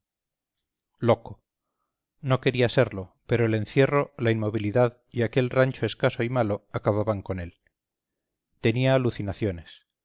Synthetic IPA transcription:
lo̞ko | no̞ke̞ɾiase̞ɾlo̞pe̞ɾoele̞nθje̞ro̞lainmo̞βiliðað | iake̞lrant͡ʃo̞e̞skaso̞imalo̞akaβaβaŋko̞ne̞l | t̪e̞niaːluθinaθjo̞ne̞s

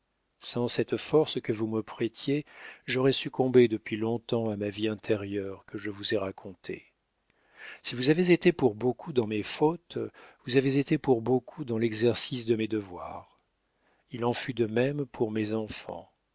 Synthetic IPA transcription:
sɑ̃sɛt̪fɔʁskəvuməpχet̪jeʒɔʁɛsykʰɔ̃bed̪əpɥilɔ̃t̪ɑ̃amaviɛ̃t̪ʰɛʁjœʁkəʒəvuzɛʁakʰɔ̃t̪ʰḛ | sivuzavezet̪epuʁbokʰud̪ɑ̃mefot̪vuzavezet̪epuʁbokʰud̪ɑ̃lɛɡzɛʁsisd̪əmed̪əvwa̰ʁ | ilɑ̃fyd̪əmɛmpʰuʁmezɑ̃fɑ̰̃

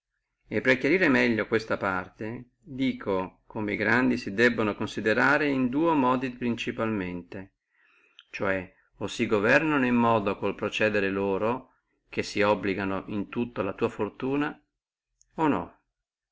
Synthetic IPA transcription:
epːɾekjaɾiːɾemɛʎːokwest̪apart̪e | d̪iːkʰokomeiɡɾand̪isid̪ɛbːonokonsid̪eɾaːɾeind̪uːomɔːd̪ipɾint͡ʃipalment̪e | t͡ʃoɛ | osiɡovɛrnanoimːɔːd̪okolpɾot͡ʃɛːd̪eɾeloːɾo | kesːiɔbːliɡanoʔint̪ut̪ːoalat̪uːafort̪uːna | onɔ̰

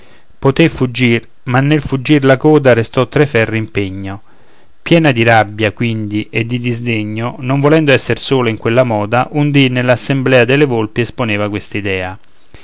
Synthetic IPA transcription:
pot̪efud͡ʒːir | manːelfud͡ʒːirlakɔːd̪aɾest̪ɔt̪ːɾefɛrːeimpeɲːo | pjɛːnad̪iɾabːjakwind̪iʔed̪ːid̪izd̪eɲːonoɱvolɛnd̪oɛsːersoːloiŋkwelːamɔːd̪aʔund̪inːelːasːemblɛːad̪elevolpiesponeːvakwest̪id̪ɛːa

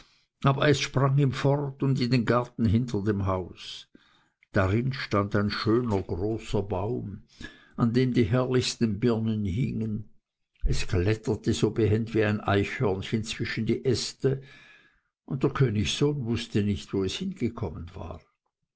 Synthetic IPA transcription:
ʔaːbɐɛsʃpʁ̥aŋiːmfɔʁtʊndɪndeːnɡaɐtn̩ɦɪntʰɐdeːmɦaʊs | d̥aʁɪnʃtandaɪnʃøːnɐɡʁoːsɐbaʊm | ʔandeːmdiːɦɛɐlɪçstn̩bɪɐnənhɪ̰ŋən | ʔɛsklɛtɐtəzoːbəɦɛntv̥iːaɪnʔa̰ɪçhœɐnçənt͡sv̥ɪʃən̩diːʔɛstə | ʔʊnt̚d̥eːɐkʰøːnɪçsoːnvʊstənɪçtv̥oːɛshɪnɡ̥əkʰɔmənv̥a̰ːʁ

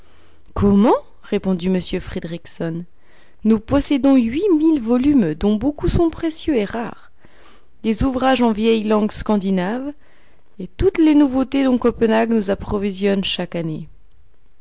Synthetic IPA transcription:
kʰɔmɑ̃ | ʁepɔ̃d̪iməsjøfχed̪ʁiksɔnː | upɔsed̪ɔ̃ɥimilvɔlymd̪ɔ̃bokusɔ̃pχesjøeʁaːʁ | lezuvʁaʒɑ̃vjɛjlɑ̃ɡskɑ̃d̪inav | et̪ut̪lenuvot̪ed̪ɔ̃kɔpənaɡnuzapχɔvizjɔnʃakane

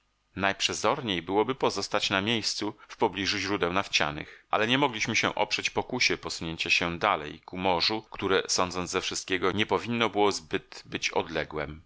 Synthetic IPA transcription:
najpʂɛzɔɾɲejbɘwɔbɘpɔzɔst̪at͡ɕnamʲjejst̪sufpɔblʲiʐuʑɾud̪ɛwnaft͡ɕa̰nɘ̰xʔa̰lɛɲɛmɔɡlʲiɕmɘɕɛ̰̃ʔɔ̰pʂɛt͡ɕpɔkuɕɛpɔsuɲeɲt͡ɕaɕɛd̪alɛ̰jkumɔʐukt̪uɾɛsɔnd̪zɔnzɛfʂɘst̪̚kʲɛɡɔɲɛpɔvʲinːɔbɘwɔzbɘt̪bɘt͡ɕɔ̰d̪lɛɡwɛm

